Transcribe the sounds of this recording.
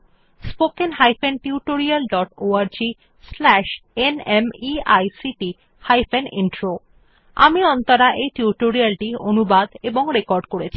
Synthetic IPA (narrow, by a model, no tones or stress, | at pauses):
spokenɦajfʰenʈiuʈoɾialɖɔʈoaɾd͡ʑi | slɛʃenemiajsiʈi | hajfenḭnʈɾo | a̰miɔnt̪aɾaʔejʈiuʈoɾialʈionubad̪eboŋɾekɔɾɖkoɾet͡ɕʰi̥